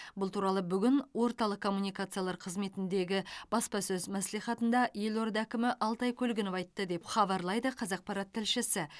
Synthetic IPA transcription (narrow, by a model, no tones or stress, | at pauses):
bʊlˠt̪ʰuɾɑlˠəbʏɡʲɪnwo̞ɾt̪ɑlˠəqkʰːo̞mːunijkat̪sɨjalˠɑɾqʰəzme̞t̪ɪnd̪e̞ɡʲɪb̥ɑspɑsɵzmæslijχɑt̪ənd̪ɑje̞lo̞ɾd̪ækʲɪmɪʔɑlˠt̪ɑjkʲʰɵlɡʲɪnɪpɑjt̪ːəd̪e̞pχɑβɑɾlˠɑjd̪əqʰɑzɑq̚pʰɑɾɑt̪ʰːɪlʃɪsɪ